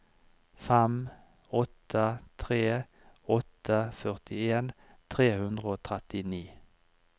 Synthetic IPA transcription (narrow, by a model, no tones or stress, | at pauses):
fɛm | ɔt̪ʰət̪ʰʁeː | ɔt̪əfœʁt̪ɪeːn | t̪ʰʁeːhʉnd̪ʁəoːt̪ʰʁɛt̪ɪniː